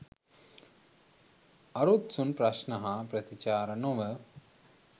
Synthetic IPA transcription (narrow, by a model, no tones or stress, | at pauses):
ɐɾot̪sunpɾɐʃnɐɦɐpɾɐt̪it͡ʃaːɾɐnoʋə